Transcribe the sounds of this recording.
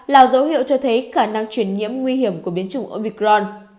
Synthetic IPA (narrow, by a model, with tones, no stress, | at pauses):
laː˨˩wzə˨˦whḭ˧əwt͡ɕɔ˧t̪ʰə˨˦jxaː˧˩na˧ŋt͡ɕwi˧˩ənɲḭ˧˥əmŋwi˧hi˧˩əmku˧˩əɓi˨˦ənt͡ɕʊ˨˧˩ŋ͡mʔəː˧˩ɓi˨˧˩k̚zɔ˧n